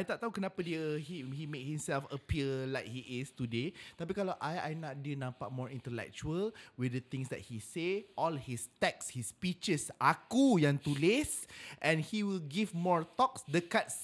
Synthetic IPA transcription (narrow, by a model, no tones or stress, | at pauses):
ajt̪aʔ̚t̪aɦukənãpadiəɦihimẽk̚hĩmsɛlfəpiəlajk̚hiʔist̪udet̪apikalaʔaja̰jnat̚dənãmpak̚mɔɹĩnt̪əlɛ̰k̚t͡ʃuəlwidət̪ɪ̃ŋsdɛ̰t̚hiseʔɔlhist̪ɛkshispit͡ʃəsʔakujãŋt̪ulesʔɛ̃nhiwilɡivmɔɹt̪ɔksdəkats